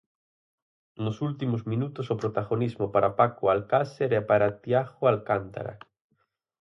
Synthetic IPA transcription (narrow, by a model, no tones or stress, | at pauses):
nʊsult̪imozmĩnut̪osopɾot̪aɣonizmopaɾapakoalkaseɾɛpaɾat̪jaxoalkant̪a̰ɾa̰